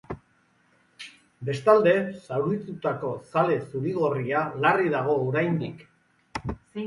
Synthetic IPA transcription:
be̞st̪ald̪e̞sawɾit̪ut̪ako̞sale̞suɾiɣo̞rialariðaɣ̞o̞ːɾajnd̪ik

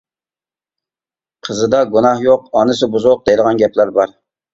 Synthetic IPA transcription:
qʰəzɨd̪ɑɡunɑhjoqɑnɨsɨbuzʊq̚d̪ɛjd̪əʁɑnɡʲɛplæɾbɑɾ

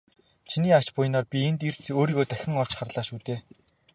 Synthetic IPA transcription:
t͡ɕʰiniːḁt͡ɕpʊjnɔːrpʲient̪ir̥oːɾiːɣoːt̪æxʲɪ̆ŋɔɮ̥t͡ɕχarɮaːʃuːt̪eː

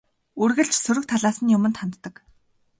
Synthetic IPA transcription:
urɣɘ̆ɮt͡ɕsɵɾɵ̆k̚t̪ʰaɮaːsə̆njʊmɘ̆nt̪χant̪ːə̆k

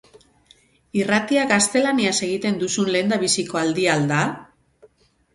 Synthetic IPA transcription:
irat̪iaɡast̪e̞laniase̞ɣ̞it̪e̞nd̪usunle̞ːnd̪aβ̞isiko̞ald̪iald̪a

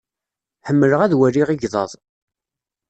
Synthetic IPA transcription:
ħəmːələʁæðwæriʁiʝðˤɑ̰ðˤ

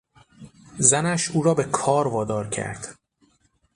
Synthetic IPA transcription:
zænæʃuːɾɒːbe̞kʰɒːɾvɒːd̪ɒːɾcʰæ̰ɾd̪̥

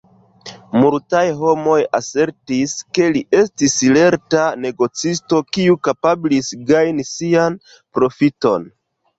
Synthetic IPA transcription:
multajɦo̞mo̞jase̞ɾtiske̞liʔe̞stisile̞ɾtane̞ɡo̞t͡sisto̞kiukapablisɡajnisian | pɾo̞fito̞̰n

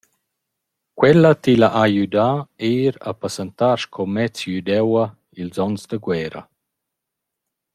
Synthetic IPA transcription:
kwɛlːat̪ilaʔajud̪aeːɾa̰pasɛnt̪aɾʃkʰɔmɛt͡sjyd̪ɛwɐ | ilzɔnsd̪əɡwɛːɾɐ̰

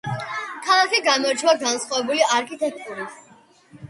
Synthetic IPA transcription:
kʰalˠakʰiɡamaɾd͡ʒwaɡansχwavɛbuliaɾkʰit̪ʰʼɛk̚ʰt̪ʼuɾis

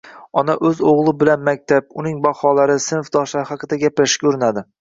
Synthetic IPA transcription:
ɒnaʔɵzoʁlˠɪbɪlanmak̚ʲt̪ʰap̚ʊnɪŋbɑhɒlˠaɾɪsɪnfd̪ɒʃlaɾhɑqʰɨd̪aɡʲaplaʃkʲɵɾɪnad̪ɪ

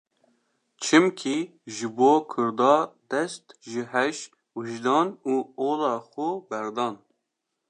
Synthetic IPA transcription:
t͡ʃʰɨmkʰi | ʒɨboːkʰʊɾd̪ɑːd̪̥ɛst̪ʒɨɦɛʃ | wɨʒd̪ɑːnuːoːlɑːxʊbɛɾd̪ɑːn

